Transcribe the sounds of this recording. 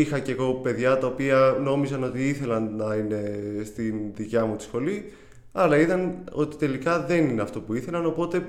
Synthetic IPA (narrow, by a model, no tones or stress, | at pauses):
ixɐceɣo̞pe̞ðʝɐt̪ɐo̞piɐno̞mizɐno̞t̪iiθe̞lɐnnɐine̞st̪inðicɐmut̪i̥sxo̞li | ɐlɐiðɐno̞t̪i̥t̪e̞likɐðe̞nineɐft̪o̞puiθe̞lɐno̞po̞t̪e̞